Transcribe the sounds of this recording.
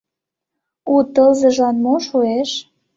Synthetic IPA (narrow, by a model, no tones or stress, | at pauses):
ut̪ɤlzɤ̆ʒɑnmoʃueʃ